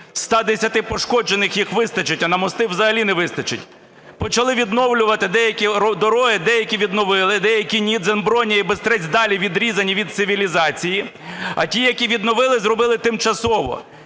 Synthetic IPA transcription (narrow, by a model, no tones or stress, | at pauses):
st̪ɑd̪esʲɐt̪ɪpɔʃkɔd͡ʒenɪxjixʋɪst̪ɐt͡ʃɪtʲɐnɐmɔst̪ɪwzɐɦɐlʲinɛʋɪst̪ɐt͡ʃɪtʲ | pɔt͡ʃɐlˠɪʋʲid̪nɔwlʲʊʋɐt̪ɪd̪ɛjɐkʲiɾɔd̪ɔɾɔɦɪd̪ɛjɐkʲiʋʲid̪nɔʋɪlˠɪd̪ɛjɐkʲinʲid̪zenbɾɔnʲɐibest̪ɾɛzʲd̪ɑlʲiʋʲid̪ɾʲizɐnʲiʋʲid̪̚t̪sɪʋʲilʲizɑt͡sʲiji | ɐ̰tʲijɐkʲiʋʲid̪nɔʋɪlˠɪzɾɔbɪlˠɪt̪ɪmt͡ʃɐsɔʋɔ̰